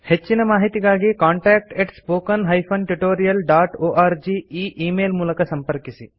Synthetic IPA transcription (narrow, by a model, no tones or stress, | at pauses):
het͡ʃːinɐmaːɦit̪iɡaːɡikaːɳʈɛːk̚ʈeʈspoːkɐnɦɐjpʰɐnʈuʈoːɾijɐlɖaːʈoːʔaːɾd͡ʒiːiːʔiːmeːlmuːlɐkɐsɐmpɐɾkisi